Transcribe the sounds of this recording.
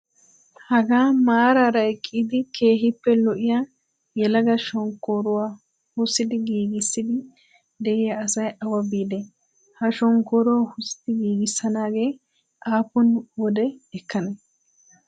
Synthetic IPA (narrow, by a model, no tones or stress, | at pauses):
hɐɡaːmaːɾaɾɐkʼːiːd̪ɪkʰe̞ːɦɪpːɛlɔʔɪjaː | jɛlɐɡɐʃɔŋkːoːɾʊwaː | hʊsːɪd̪ɪɡiːɡɪsːɪd̪ɪ | d̪ɛʔɪjɐːsɐjɐwɐbiːd̪ɛ | hɐʃɔŋkoɾowhʊsɪ̥t̪ɪɡiːɡɪsːɐnaːɡe̞ː | ʔaːpʊnwɔd̪ɛɛkːɐnɛ